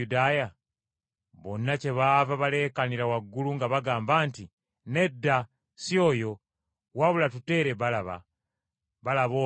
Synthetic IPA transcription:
udaːja | βo̞nːace̞βaːvaβale̞kaniɾawaɡːuluŋɡaβaɡaːmbaːnti | ne̞dːa | sio̞ːjo̞ | waβulatute̞ːɾe̞βalaβa̰ | βalaβo

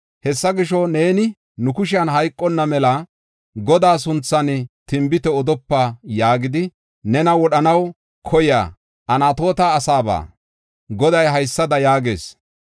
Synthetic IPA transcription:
hɛsːɐɡɪʃɔneːnɪ | nʊkʊʃ̬ɪɐnɦɐjkʼːɔnːɐmɛlɐ | ɡɔd̪aːs̬ʊnt͡sːɐnɪt̪ɪmbɪt̪ɛɔd̪ɔpːajaːɡɪd̪ɪ | nɛnɐwɔɗɐnɐw | kʰɔja̰ː | ʔɐnaːt̪o̞ːt̪aːsaːba̰ː | ɡɔd̪ɐjɦɐjsːɐd̪ɐjaːɡe̞ːs

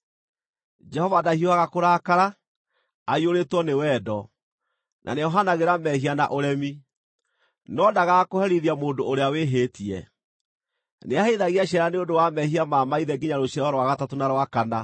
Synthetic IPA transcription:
d͡ʒɛhɔvadahioaɣakoɾakaɾa | aioɾetwɔnewɛːdɔ | nʔa̰nejɔɦanaɣeɾamɛɦiana̰ʔoɾɛmi | nɔdaɣakohɛɾiðiamoːndoːɾeaweɦeːtiɛ̰ | neaheðaɣiaɕɛɾaneondowamɛɦiamamaiðɛɡiɲaɾoɕiaɾɔɾowaɣatatonaɾwakana

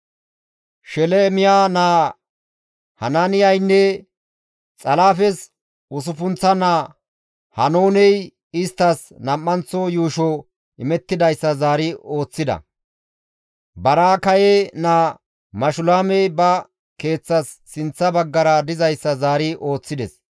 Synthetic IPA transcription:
ʃɛlɛmɪjaːnaː | hɐ̰nanɪjɐjnːɛ | t͡sʼɐlaːfɛs | ʊs̬ʊfʊnt͡sːɐnaː | hɐnoːnɛj | ɪst̪ːɐsnɐmːɐnt͡sːɔjuːʃɔ | ʔɪmɛt̪ːɪd̪ɐjsːɐzaːɾɪo̞ːt͡sːɪd̪ɐ̰ | bɐɾaːkɐjenaː | mɐʃʊlaːmɛjbɐ | ke̞ːt͡sːɐsːɪnt͡sːɐbɐɡːɐɾɐd̪ɪzɐjsːɐzaːɾɪʔo̞ːt͡sːɪd̪ɛs

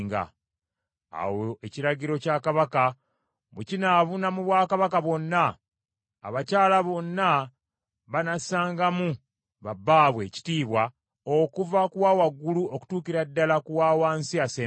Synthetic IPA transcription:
ŋɡa̰ | a̰woeciɾaɟiɾo̞cakaβaka | βucinaβunamuβwaːkaβakaβwo̞nːa̰ː | βacaːlaβo̞nːa | βanasaːŋɡamu | βabːaːβwe̞ːci̥tiːβwa | okuvakuwaːwaɡːuluo̞ku̥tuːkiɾadːalakuwaːwaːnsiaseː

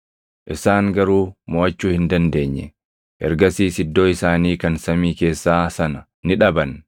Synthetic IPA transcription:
ʔɪsaːŋɡɐɾuːmoːʔɐt͡ʃːuːhɪnd̪ɐnd̪e̞ːɲːɛ̰ | ʔɛ̰ɾɡɐsiːsɪd̪ːo̞ːɪsaːniːkɐnsɐmiːke̞ːsːaːsɐnɐ | nɪᶑɐbɐn

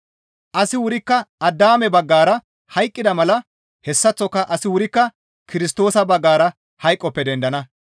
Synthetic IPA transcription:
ʔɐsɪwʊɾɪkːɐɐd̪ːaːmɛbɐɡːaːɾɐ | hɐjkʼːɪd̪ɐmɐlɐ | hɛsːɐt͡sːɔkːɐʔɐsɪwʊɾɪkːɐ | kɪɾɪst̪o̞ːsɐbɐɡːaːɾɐ | hɐjkʼːɔpːɛd̪ɛnd̪ɐnɐ

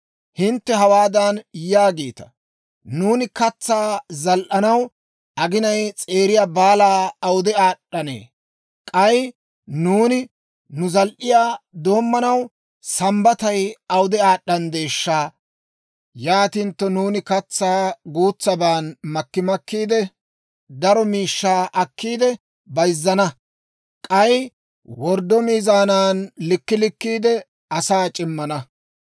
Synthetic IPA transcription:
hɪnt̪ːɛɦɐwaːd̪ɐnjaːɡeːt̪ɐ̥ | nuːnɪkɐt͡sːaːzɐlʔɐnɐw | ʔɐɡɪnɐjt͡sʼe̞ːɾɪjaːbaːlaːɐwʊd̪ɛaːɗːɐnḛː | kʼɐj | nuːnɪ | nʊzɐlʔɪjaːd̪o̞ːmːɐnɐw | sɐmbɐt̪ɐjɐwd̪ɛaːɗɐnd̪e̞ːʃːaː | jaːt̪ɪnt̪ːɔnuːnɪkɐt͡sːaːɡuːt͡sːɐbaːnmɐkːɪmɐkːiːd̪ɛ | d̪ɐɾɔmiːʃːaːʔɐkːiːd̪ɛ | bɐjzːɐnɐ | kʼɐj | wɔɾd̪ɔmiːzaːnaːnlɪkːɪlɪkːiːd̪ɛ | ɐsaːt͡ʃʼɪmːɐnɐ

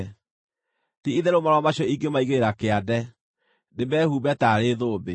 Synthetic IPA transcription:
tiiðɛɾomaɾwamaɕɔiŋɡemaiɣeɾeɾakeadɛ | debɛːhuːbɛtaɾeðoːbe

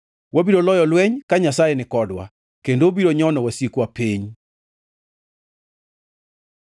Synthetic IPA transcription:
wabiɾolɔjɔlwɛɲkaɲasajɛnɪkɔdwa̰ | kendobiɾoɲɔnɔwasjekwapeɲ

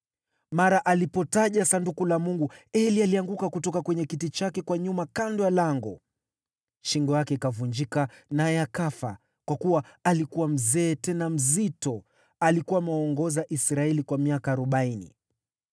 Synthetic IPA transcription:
maɾaʔalipɔtaʄasandukulamuŋɡuɛlialiaŋɡukakutɔkakwɛɲɛkitit͡ʃakɛkwaɲumakandɔjalaŋɡɔ̰ | ʃiŋɡɔjakɛikavuɲd͡ʒikanaɛakafa̰ | kwakuwaalikuwam̩zɛːtɛnam̩zitɔ | alikuwamɛɔŋɡɔzaʔisɾaɛlikwamiakaːɾɔɓainḭ

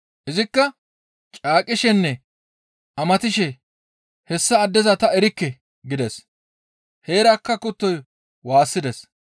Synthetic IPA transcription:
ʔɪzɪkːɐ | t͡ʃʼaːkʼːɪʃɛnːɛ | ʔɐmɐt̪ɪʃɛ | hɛsːɐːd̪ːɛzɐt̪ɐɛɾɪkːɛ | ɡɪd̪ɛs | he̞ːɾakːɐkʊt̪ːɔj | waːsːɪd̪ɛs

